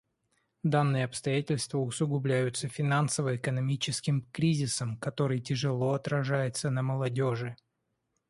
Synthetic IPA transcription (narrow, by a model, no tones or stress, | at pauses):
d̪anːɨjəɐpst̪ɐjætʲɪlʲst̪vəʊsʊɡʊblʲæjʊt̪səfʲɪnansəvəɪkənɐmʲit͡ɕɪskʲɪmkɾʲizʲɪsəmkɐt̪o̞ɾɨjtʲɪʐɨlˠo̞ɐt̪ɾɐʐajɪt̪sənəməlˠɐdʲo̞ʐɨ